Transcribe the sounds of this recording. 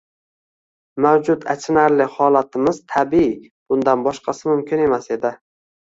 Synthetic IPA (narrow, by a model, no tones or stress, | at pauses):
mawd͡ʒʊt̪at͡ʃʰɪnaɾlɪhɒlat̪ʰɪmɪzt̪ʰabii | b̥ʊnd̪anbɒʃqʰɑsɪmʊmkʲʰɪne̞mase̞d̪ɪ